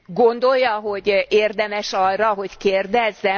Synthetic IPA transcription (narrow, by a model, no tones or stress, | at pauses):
ɡo̞nd̪o̞jːɒɦo̞ɟeːrd̪ɛmɛʃɒrrɒɦo̞ckeːrd̪ɛzːɛ